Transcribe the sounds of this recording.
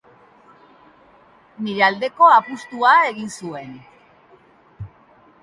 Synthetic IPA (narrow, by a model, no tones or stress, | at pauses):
niɾe̞ald̪e̞ko̞apust̪uae̞ɣinsue̞n